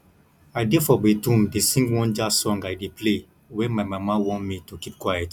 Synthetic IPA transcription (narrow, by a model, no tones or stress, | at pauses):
aɪdefɔbetũmdesĩŋɡwɔ̃nd͡ʒasɔ̃ŋɡajdeple | wɛ̃nmaɪmamawɔ̃ntmitukip̚kwajɛt